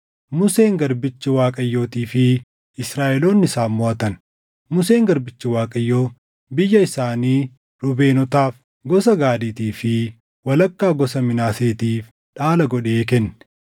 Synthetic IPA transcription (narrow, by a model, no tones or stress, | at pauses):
mʊse̞ːŋɡɐɾbɪt͡ʃːɪwaːkʼɐjːo̞ːt̪iːfɪ | ɪsɾaːʔɛlo̞ːnːɪsaːmːoʔɐt̪ɐn | mʊse̞ːŋɡɐɾbɪt͡ʃːɪwaːkʼɐjːo̞ː | bɪjːɐɪsaːniː | ɾʊbe̞ːnɔt̪aːf | ɡɔs̬ɐɡaːd̪iːt̪iːfɪ | wɐlɐkːaːɡɔsɐmɪnaːse̞ːt̪iːf | ᶑaːlɐɡɔᶑeːk̬ɛnːɛ̥